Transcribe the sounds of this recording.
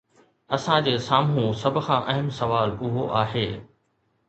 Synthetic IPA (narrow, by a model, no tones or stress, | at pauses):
ɐsãd͡ʑeːsaːmũsɐbʱʊ̆kxʰãːʔɐɦmsɐʋaːlʊɦoʔaːɦeː